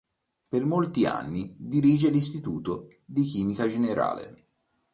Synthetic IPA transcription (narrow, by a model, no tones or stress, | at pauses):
permolt̪ia̰nːid̪iɾiːd͡ʒelist̪it̪uːt̪o | d̪ikiːmikad͡ʒeneɾa̰ːlḛ